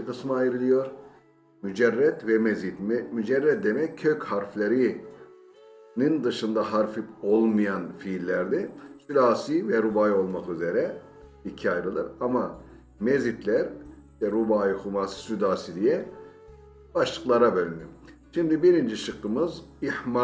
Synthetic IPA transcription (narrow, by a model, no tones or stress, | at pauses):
ikʰɯsmɯajɾɯlʲˠijo̞ɾ | myd͡ʒɛrːɛt̪vɛmezit̪mmyd͡ʒɛɾːɛt̪̚d̪emɛcʰːøchaɾflʲeɾi | nind̪ɯʃɯnd̪aɦaɾfipo̞lˠmɯjanfiːlʲːæɾd̪ɛsyd̪aːsivɛɾubaːjo̞lˠmakyzeɾɛ | icʰiajɾɯlˠɯɾama | mezit̪lʲæɾt̪ɛɾubaːjɯxumaːsɯ̥syd̪aːsid̪ijɛ | b̥aʃlˠɯklˠaɾabølʲinijoɾʃimd̪ibiɾind͡ʒiʃɯqːɯmɯzihma